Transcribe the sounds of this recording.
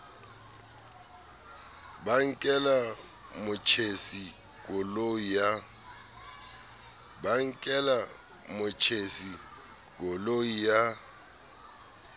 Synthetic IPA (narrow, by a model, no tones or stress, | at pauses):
baŋ̩kʼɛla | mʊt͡ʃʰesi | k̬ɔloja | baŋ̩kʼɛla | mʊt͡ʃʰesi | k̬ɔloija